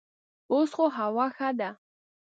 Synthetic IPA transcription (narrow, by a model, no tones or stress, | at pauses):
osqʼoɦawaxad̪a